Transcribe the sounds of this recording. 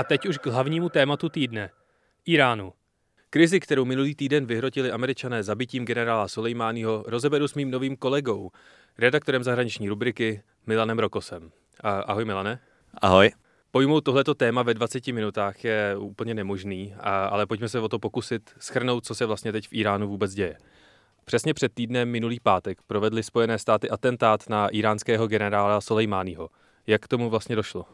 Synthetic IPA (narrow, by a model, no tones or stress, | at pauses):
ʔat̪ɛcuʃɡɦlavɲiːmut̪ɛːmat̪ut̪iːdnɛ | ʔiːɾaːnu | kɾɪzɪkt̪ɛɾo̞wmɪnuliːt̪iːdɛnvɪɦɾo̞cɪlɪʔamɛɾɪt͡ʃanɛːzabɪciːmɡɛnɛɾaːlasolɛjmaːnɪɦo̞ɾo̞zɛbɛɾusmiːmno̞viːmko̞lɛɡo̞w | ɾɛdakt̪o̞ɾɛmzaɦɾaɲɪt͡ʃɲiːɾubɾɪkɪ | mɪlanɛmɾo̞ko̞sɛm | ʔa̰ɦojmɪlanɛ | ʔa̰ɦoj | po̞jmowt̪ːo̞ɦlɛt̪o̞t̪ɛːmavɛdvat͡sɛcɪmɪnut̪aːxjɛuːpl̩ɲɛnɛmo̞ʒniːaa̰lɛpoc̚mɛs̬ɛvo̞t̪o̞po̞kusɪt̪sxr̩no̞wt̪̚t͡sosɛvlast̪ɲɛt̪ɛcfʔiːɾaːnuvuːbɛt͡sɟɛjɛ | pr̥ɛsɲɛpr̥ɛt̪̚t̪ːiːdnɛmːɪnuliːpaːt̪ɛkpɾo̞vɛdlɪspo̞jɛnɛːst̪aːt̪ɪʔat̪ɛnt̪aːt̪naʔiːɾaːnskɛːɦo̞ɡɛnɛɾaːlaso̞lɛjmaːnɪɦo̞ | jakt̪o̞muvlast̪ɲɛdo̞ʃlo